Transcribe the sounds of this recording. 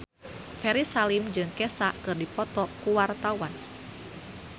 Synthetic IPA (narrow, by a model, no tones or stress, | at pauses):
fɛɾisalimd͡ʒɨŋkɛsakɨrdipɔt̪ɔkuwart̪awan